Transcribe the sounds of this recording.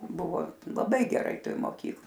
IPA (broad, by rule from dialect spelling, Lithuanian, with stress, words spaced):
ˈbʊʋoː lˠɐˈbɐɪ ɡʲɛˈrɐɪ ˈtoːj moːˈkʲiːk